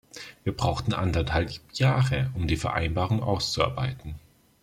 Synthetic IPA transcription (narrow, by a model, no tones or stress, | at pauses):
viːɐbʁaʊxtn̩ʔa̰ndɐthalpjaːʁəʊmdiːfɛɐʔa̰ɪnbaːʁ̞ʊŋʔa̰ʊst͡sua̰ɐbaɪtn̩